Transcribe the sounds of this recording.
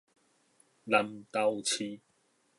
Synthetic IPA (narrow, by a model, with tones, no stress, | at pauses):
lɐ˧mt̪a˧wt͡ɕʰi˧